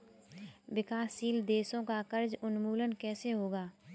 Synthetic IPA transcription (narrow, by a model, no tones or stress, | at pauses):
wɪkaːsiːld̪eːsõkakəɾd͡ʒʊnmuːlənkɛːseɦoːɡaː